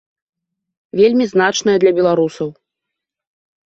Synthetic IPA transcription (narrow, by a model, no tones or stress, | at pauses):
vʲelʲmʲiznat͡ʂnɐjɐd̪lʲɐbʲɛlˠaɾusɐw